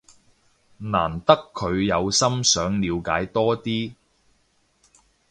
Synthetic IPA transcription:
naː˨˩nt̪ɐ˥kʰːɵ˨˧ɥjɐ˨˧wsɐ˥msœː˨˥ŋliː˨˧wkaː˨˥jt̪ɔː˥t̪iː˥

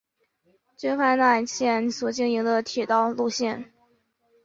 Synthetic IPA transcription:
t͡ɕy˥nfa˥˧na˥˧ɕjɛ˥˩nswɔ˨˩t͡ɕi˥˩ni˧˥ŋd̪ə˧t̪ʰi˨˩t̪ɑ˥˧ʊlu˥˧ɕjɛ˥˩n

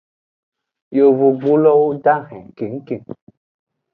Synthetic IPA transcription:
jo˨vo˨ɡ͡bo˦lɔ˦wo˦da˦ɦɛ̃˨ke˨ŋ̩˦ke˨ŋ

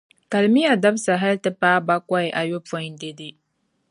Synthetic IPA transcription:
ka˨lmi˦ja˨da˦bsa˨ɦa˦ltɨ˦paː˦ba˦kɔ˦ɪ˨ʔa˨jo˦pɔ˦ɲ˦n˦de˦dɪ˦

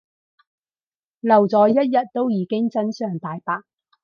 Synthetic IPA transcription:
lɐ˨˩wt͡sɔː˨˧jjɐ˥t̚jɐ˨t̚t̪ːo˥wjiː˨˧kɪ˥ŋt͡sɐ˥nsœː˨ŋt̪aː˨˧jpaː˧k̚

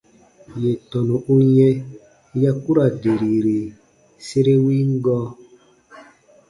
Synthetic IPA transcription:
je˨tɔ˨nu˨ʔu˦ɲɛ˦ | ja˦ku˦ɾa˨de˨ɾi˨ɾe˨ | se˦ɾe˦wi˦ŋ˦ɡɔ˦

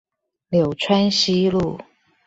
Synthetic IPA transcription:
ljo˨˩ʊʈ͡ʂʰwa˥nɕi˦lu˥˨˩

